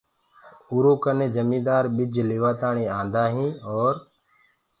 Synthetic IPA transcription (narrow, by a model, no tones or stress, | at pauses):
ʊːɾoːkənẽːd͡ʒəmĩːd̪aːɾɓɪd͡ʒlɪːʋaːt̪aːɳiːãːnd̪aːɦĩːɔːɾ